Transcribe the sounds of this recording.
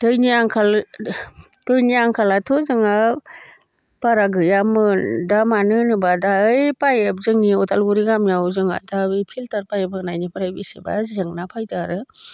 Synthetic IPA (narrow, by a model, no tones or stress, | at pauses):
tɯjniaŋkʰal | tɯjniaŋkʰalatʰɔzɯŋa | paɾaɡɯjamɯdamanɯnɯbadaɯjpajep̚zɯŋniɔtʰalɡuɾiɡamjawzɯŋa̰daɯjpʰiltaɾpajebɯnajnipaɾajbisḭba̰zɯŋnapʰajtaɾɯ